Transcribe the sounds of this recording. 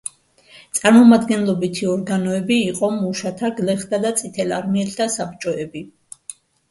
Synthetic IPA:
t̪sʼaɾmɔmad̪ɡɛnlˠɔbit̪ʰiɔɾɡanɔɛbiːqʼɔmuʃat̪ʰaɡlɛχd̪ʰad̪at̪sʼit̪ʰɛlaɾmiɛlt̪ʰasap̚t͡ʃʼɔɛbi

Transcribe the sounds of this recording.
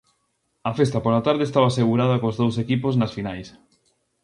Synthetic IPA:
ɐfest̪ɐpoɾɐt̪aɾðest̪aβaseɣ̞uɾaðɐkozðowsekipoznɐsfinajs

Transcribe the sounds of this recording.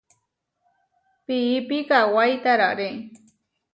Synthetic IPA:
piːpikawajt̪aɾa̰ɾe

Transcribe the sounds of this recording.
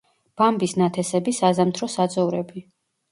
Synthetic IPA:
b̥ambisnat̪ʰɛsɛbisazamt̪ʰɾɔsad̪zɔvɾɛbi

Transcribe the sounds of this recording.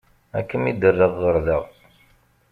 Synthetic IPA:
æ̰kːəmid̪ərːəʁːəɾðəʁ

